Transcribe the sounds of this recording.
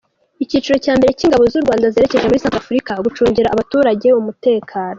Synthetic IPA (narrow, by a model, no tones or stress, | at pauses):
iciːt͡ʃiɾo̞caːmbe̞ɾe̞ciŋɡaβo̞zuɾɡwaːndazeɾe̞ce̞ʒe̞muɾisaːŋkafuɾikaɡut͡ʃuːɲɟiɾaʔːβatuːɾaɟe̞umute̞ːkʰaːno